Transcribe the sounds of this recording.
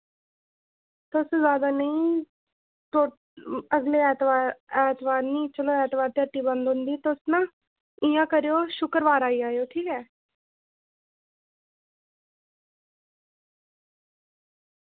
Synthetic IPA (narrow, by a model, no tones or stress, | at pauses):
t̪oszjaːd̪aːnəĩː | t̪o | əɡleːɛːt̪aːɾɛːt̪ʋaːɾnĩːt͡ʃəloːɛːt̪ʋaːɾt̪ɪəʈːiːbə̃nd̪ɦʊ̃nd̪iːt̪ʊsnãː | ɪjãːkəɾeːoːʃʊkəɾʋaːɾaːiːaːejoːʈʰiːkɛː